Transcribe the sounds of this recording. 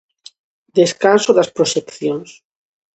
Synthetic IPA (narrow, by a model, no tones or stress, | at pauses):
d̪eskansoðaspɾoʃekθjons